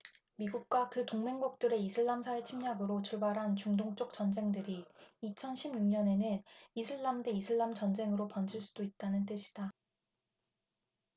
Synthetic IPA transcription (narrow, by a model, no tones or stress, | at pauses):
miɡuk̚k͈wakɯtoŋme̞ŋɡok̚t͈ɯɾe̞isʰɯɭːamsʰawe̞t͡ɕʰimɲaɡɯɾot͡ɕuɭbaɾɦant͡ɕuŋdoŋt͡ɕ͈ok̚t͡ɕ͈ʌnd͡ʑe̞ŋdɯɾiit͡ɕʰʌnɕʰimɲuŋɲʌne̞nɯnisʰɯɭːamde̞isʰɯɭːamt͡ɕʌnd͡ʑe̞ŋɯɾopʌnd͡ʑiɭs͈ud̥oit̚t͈anɯnt͈ɯɕʰi̥d̥a